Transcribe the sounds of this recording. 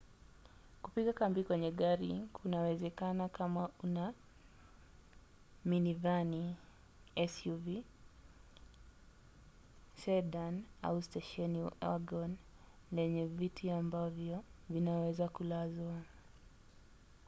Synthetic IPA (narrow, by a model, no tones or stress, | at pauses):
kupiɠakambikwɛɲɛɠaɾikʰunawɛzɛkanakamauna | minivani | ɛsuvi | sɛɗana̰ustɛʃɛniaɡɔn | lɛɲɛvitʰiambavjɔvinawɛzakulazwa